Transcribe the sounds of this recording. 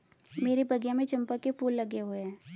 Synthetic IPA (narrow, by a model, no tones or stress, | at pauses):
meːɾebʱɐɡjamẽt͡ʃɐ̃mpakepuːlːɐɡeɦoeɦɛ̃ː